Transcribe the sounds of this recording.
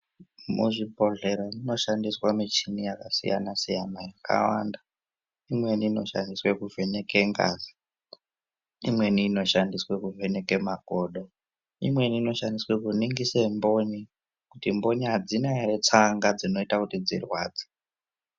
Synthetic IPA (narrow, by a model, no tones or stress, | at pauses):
mṵʐibʱo̞ɮe̞ɾonino̞ʃandiswamit͡ʃinijakasḭja̰nasijanajakʰa̰wa̰nda | imwe̞niːno̞ʃa̰ndiswekuve̞ne̞ke̞ŋɡa̰ːzi | imwe̞niːno̞ʃandiswekuve̞ne̞kemaɡʱoɗo | ḭmweniːno̞ʃandiswekuniŋɡisembo̞ɲi | kutimbo̞ɲiɦad͡zinaret͡saŋɡad͡zino̞itakutid͡zḭrwa̰ːd͡ze̥